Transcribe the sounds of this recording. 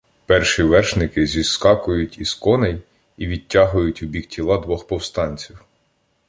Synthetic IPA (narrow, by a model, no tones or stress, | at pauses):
pɛrʃiʋɛrʃnɪkɪzʲiskɑkʊjʊtʲiskɔnɛj | iʋʲid̚ʲtʲːɑɦʊjʊtʲʊbʲik̚tʲʰilˠɑd̪ʋɔxpɔwst̪ɑnʲt͡sʲiw